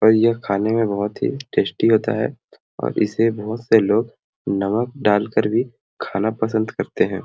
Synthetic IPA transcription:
ɔːɾjɐkʰaːnemẽbɐɦʊt̪ɦḭʈeːsʈiɦoːt̪a̰ɦɛ̰ | ɔ̰ːɾʔɪ̰sebɔɦʊt̪seloːɡ | nɐmək̚ɖaːlkəɾbʱi | kʰaːnapɐs̬ə̃nd̪kɐɾt̪eɦɛ̃ː

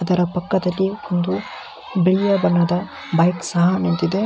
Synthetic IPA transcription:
ɐd̪ɐɾɐpɐkːɐd̪ɐlːiond̪u | biɭijɐbɐnːɐd̪ɐ | bɐjksɐɦɐnent̪id̪e

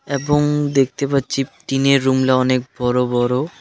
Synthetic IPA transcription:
eboŋd̪ek̚ʰt̪epatːɕʰiʈineɾːumlaɔnek̚bɔɾobɔɾo

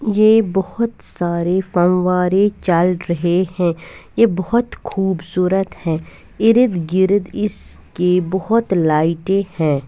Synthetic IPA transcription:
jeːbɔhʊt̪saːɾefɐnʋaːɾet͡ʃəlɾɐɦehɛ̃ːjebɔɦʊt̪kʰuːbsuːɾət̪hɛ̃ː | ɪɾɪd̪ɡɪɾd̪ɪs | kebɔɦʊt̪laːɪʈehɛ̃ː

